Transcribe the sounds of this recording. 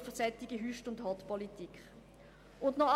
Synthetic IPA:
fəsɛt̪iɡiɦyʃtʊndhɑtpɔlitikχ | ʊndnɔχ

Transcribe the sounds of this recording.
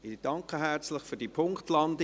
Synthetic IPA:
ɪd̥ɑŋkəɦært͡slɪχfyːd̥iːpʰʊŋktlɑndɪ

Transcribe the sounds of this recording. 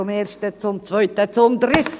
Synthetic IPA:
ʊmeːrʃtət͡sʊmt͡svœʏt̪ət͡sʊmd̪rɪt̪

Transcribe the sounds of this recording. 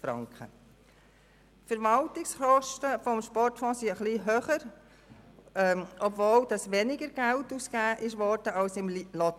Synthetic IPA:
fɾɑ̰ŋkχə̰ | tfəɾʋɑltɪksχɔʃtəfɔmʃpɔrtfɔ̃ːsiəχliɦøːχəɾ | ɔbvoːld̥ɑsʋɛnɪɡəɾɡ̥æltuskæːʔɪʃʋɔɾd̥əɑlsɪmlɔ

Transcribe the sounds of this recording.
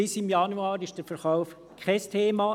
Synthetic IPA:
ɪsɪmjɑnuɑːɾɪʃd̥əɾfɛɾχaʊf | kʰχɛstʰeːmɑ

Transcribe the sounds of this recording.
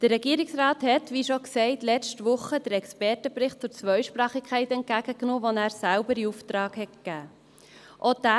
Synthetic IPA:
d̥ərɛɡiəɾɪksrɑːthɛtʋiʃoksɛɪtlɛt͡ʃtʋʊχːəd̥̪əɾɛkspɛrtəpɾɪχt̚t͡sʊɾt͡sʋœʏʃpɾɑːχikʰχɛɪtɛnt̚ɡæɡ̥əknɔːʋonæːɾsælbəɾiuftɾɑːɡhɛt̚kɡ̥æː | ʔod̪æ

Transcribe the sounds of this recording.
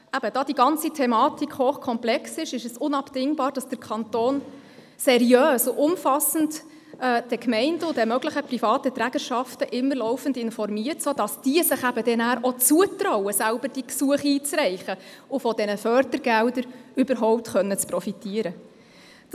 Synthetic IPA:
æb̥əd̥ɑːdiɡɑnt͡sitʰɛmɑːtikʰhoːχkʰɔmplɛksɪʃɪʃəsʊnɑpdɪŋbɑːɾd̥ɑsd̥əɾkʰɑntoːn | sɛɾjøːsʊʔʊmfɑsən̩d | ɛːd̥ɛkmɛɪndəʊdɛmœɡləχəprifɑːtətɾæɡ̥əɾʃɑftəʔɪmːəɾlɔʊfən̩dɪnfɔrmiərtsoːd̥ɑsd̥iəsɪχæbəd̥ɛnæːɾʔɔt͡suətɾɔʊwəsælbəɾd̥iksuəχiːt͡srɛɪχəʊfɔdɛnəfœɾdəɾɡ̥ældəɾʏbəɾɦɔʊp̚tχœnːət͡spɾɔfitiəɾə

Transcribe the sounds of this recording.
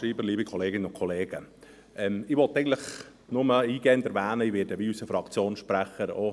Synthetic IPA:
ɾiːbəliːbɪkʰɔleːɡɪnəʊnkʰɔleːɡə | ʔɛmɪʋɔt̪ːɛɡən̩tləχ | nʊməiːɡ̥ɛːənd̪ɛɾʋæːnəɪʋɪːɾdəbiysəfɾɑkt͡sjoːnʃpɾæχəɾo̰

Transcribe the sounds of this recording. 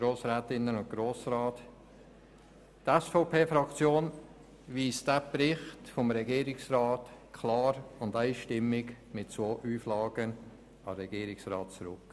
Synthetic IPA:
ɡ̥ɾoːsɾɛːtɪnːənʊ̃nt̚ɡ̥ɾoːsɾɑːt | tɛsfɔʊpʰeːfɾɑkt͡sjoːn | ʋiːsd̥æpɾɪχtfɔmɾɛɡiːɾɪksɾɑːtkʰlɑːɾʊndaɪʃtɪmːɪɡ | mɪtt͡soːʔuːflɑːɡ̥ən | ɑɾɛɡ̥iːɾɪksrɑːt̚t͡sɾʊk

